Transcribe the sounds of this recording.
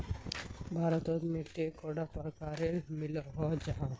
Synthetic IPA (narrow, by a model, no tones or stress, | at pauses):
bʱaːɾɔt̪ɔt̪miʈːekɔɖapɔɾkaɾelmilɔɦɔd͡ʒaɦã